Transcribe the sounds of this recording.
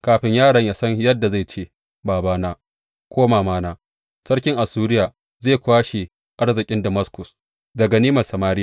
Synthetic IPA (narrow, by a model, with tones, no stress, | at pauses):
kaː˨ɸɪ˦ɲjaː˦˨ɽɐ˨ɲjaː˦sɐ˦ɲjɐ˦dːa˨za˦˨jt͡ʃeː˦ | baː˨baː˦naː˦ | kʷʰoː˦maː˨maː˦naː˦ | sɐ˦ɽkʲɪ˦ŋʔa˨suː˦ɾɪ˦jaː˨ | zeː˦˨kʷaː˦ʃe˨ | ʔa˦ɽzɪ˨kʲʼɪ˦ndɐ˨mɐ˦skʷʊ˨s | dɐ˨ɡa˨niː˦mɐ˨sɐ˨maː˦ɾɪ˦ja˨